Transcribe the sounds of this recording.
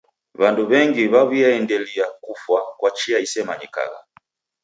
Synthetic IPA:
βanduβɛŋɡiβaβiaɛndɛliakufwakwat͡ʃiaisɛmaɲika̰ɣa̰

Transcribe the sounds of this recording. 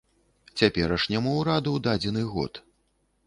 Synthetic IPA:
t͡sʲapʲɛɾɐʂnʲamuwɾad̪uwd̪ad͡zʲɛn̪ɨɣɔ̰t̪

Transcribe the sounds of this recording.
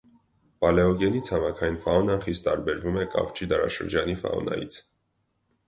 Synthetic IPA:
pɑlɛɔɡɛnit͡sʰɑmɑkʰɑjinfɑɔnɑnχist̪t̪ɑɾbɛɾvumɛkʼɑ̰vt͡ʃʰid̪ɑɾɑ̰ʃə̰ɾd͡ʒɑnifɑ̰ɔ̰nɑ̰jḭt͡sʰ

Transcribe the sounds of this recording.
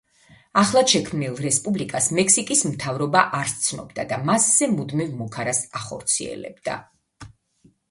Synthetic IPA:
aχlˠaʃɛkʰmnilˠɾɛspʼublikʼasmɛkʰsikʼismt̪ʰavɾɔbaʔaɾst̪sʰnɔ̰bd̪ad̪amasz̥ɛmud̪mivmukʰaɾasaχɔ̰ɾt̪sʰḭɛ̰lɛ̰b̚d̪̥a̰

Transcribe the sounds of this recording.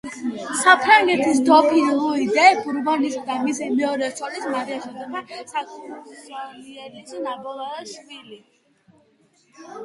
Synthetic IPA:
sapʰɾaŋɡɛt̪ʰisd̪ɔpʰiluid̪ɛpʰuɾbɔnisd̪amisimɛɔɾɛsʰɔlismaɾiaʃɔd̪ɔpʰasakʰusaliɛlisnabɔlˠaʃvili

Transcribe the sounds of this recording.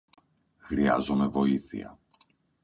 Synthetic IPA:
xɾiɐ̰zome̞vo̞iθḭɐ̰

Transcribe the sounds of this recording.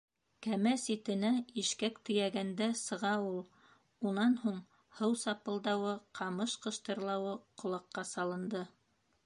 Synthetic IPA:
kæmæsit̪ɘ̆næiʃkækt̪ɵ̆jæɡænd̪æsɤ̆ʁɑulˠ | unɑnhuɴ | hɤwsɑpɤ̆lˠd̪ɑwɤqʰɑmɤʃqɤ̆ʃt̪ɤ̆ɾlˠɑwɤqŏlˠɑqːɑsɑlˠɤ̆nd̪ɤ

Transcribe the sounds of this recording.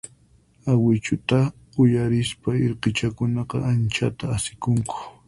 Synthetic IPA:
awɪt͡ʃʊt̪a | ʊjaɾɪspaeɾqɪt͡ʃakʊnɑqɑ̰ʔant͡ʃat̪aːsɪ̥kʊŋkʰʊ̥

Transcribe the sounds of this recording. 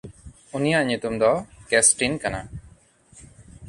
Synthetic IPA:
unijaʔɲut̪umd̪ɔkesʈinkana

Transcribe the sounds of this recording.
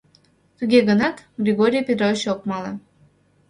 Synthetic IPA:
t̪əɣʲeɣənɑt̪ɡrʲeɣoɾʲijpʲet̪rovʲit͡ɕok̚mɑle

